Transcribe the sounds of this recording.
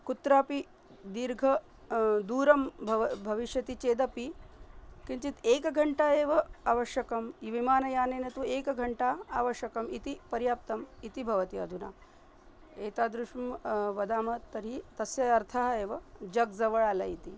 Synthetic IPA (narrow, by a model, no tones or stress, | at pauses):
kut̪ɾaːpi | d̪iɾɡʱɐ | d̪uːɾɐmbʱɐbʱɐʋiʃjɐt̪it͡ʃeːd̪ɐpi | kint͡ʃit̪eːkɐɡʱɐɳʈaeːʋɐaʋɐʃjɐkɐmiʋimaːnɐjaːneːnet̪ueːkɡʱɐɳʈaːaːʋɐʃjɐkɐmit̪ipɐɾjaːp̚t̪ɐmit̪ibʱɐʋɐt̪iɐ̰d̪ʱuna̰ː | eːt̪aːd̪ɾuʂumʋɐd̪aːmɐtt̪ːɐɾit̪ɐsjɐɐɾt̪ʰɐɦɐeːʋɐd͡ʒɐɡd͡zɐʋɐɭaːla̰it̪i